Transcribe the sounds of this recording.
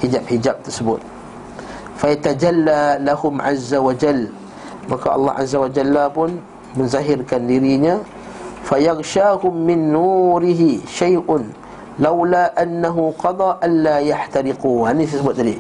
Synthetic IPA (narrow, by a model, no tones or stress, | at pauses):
hid͡ʒap̚hid͡ʒap̚t̪ərsəbʊ̰t̪̚ | fajat̪ad͡ʒalːalahʊmʕa̰zːawad͡ʒal | makaʔɑ̰lˤːɑ̰hʔa̰zːawad͡ʒalːapʊn | mə̃nzaɦɪrkandiɾiɲã | fajɑɣʃaːhʊmːɪnːuɾɪɦiʃajʔʊn | lawlaːʔanːaɦuqɑd̪ˤɑːʔanlajaħt̪aɾɪquhanit̪ərsəbʊt̪̚ːadi